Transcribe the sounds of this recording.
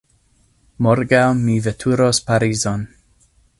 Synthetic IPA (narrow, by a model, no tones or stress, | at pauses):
mɔɾɡawmivɛtʰuɾospaɾizon